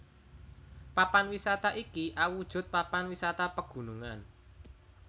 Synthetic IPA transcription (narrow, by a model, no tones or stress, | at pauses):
papanwisat̪aʔikiʔawud̥ʒ̥ʊ̤t̪̚papanwisat̪apəɡ̥ṳnuŋan